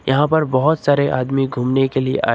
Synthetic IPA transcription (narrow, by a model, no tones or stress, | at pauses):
jʔɐɦãpɐɾbɐɦʊt̪saːɾeʔaːd̪miɡʱuːmnekeliḛʔa̰ː